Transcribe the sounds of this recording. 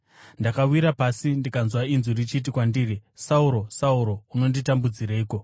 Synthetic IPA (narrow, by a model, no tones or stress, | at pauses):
ndakawiɾapasindikanzwainzurit͡ʃit̬ikwandiːrisauɾo̞sauɾo̞uno̞nditambud͡ziɾaiːko̞